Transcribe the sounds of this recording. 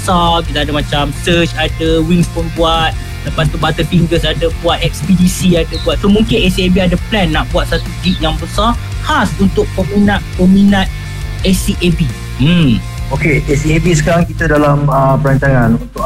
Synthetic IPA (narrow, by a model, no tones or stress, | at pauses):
bəsakit̪aadamãt͡ʃamsət͡ʃadaəwiŋspunbuat̪̚ | ləpast̪ubat̪əfiŋɡəsadəbuat̪̚ɛk̚spidisiadəbuat̪̚somũŋkɪnɛsiebiadəplɛnːaʔbuat̪̚sat̪ud͡ʒiʔ̚jaŋbəsahasunt̪ʊk̚pəminãt̪̚pəminãt̪̚ | esiʔebi | m̩ | okeʔesiebisəkaɾaŋkit̪adalaməpəɾant͡ʃaŋãnunt̪ʊ